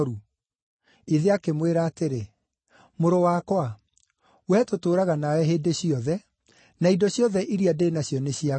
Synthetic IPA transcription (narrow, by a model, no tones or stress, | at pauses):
ɾu | iðeakemweɾaːteɾe | moɾowakwa | wɛtotoːɾaɣanawɛɦeːdeɕiɔðɛ | naidɔɕjɔðɛʔiɾiadeːnaɕjɔneɕia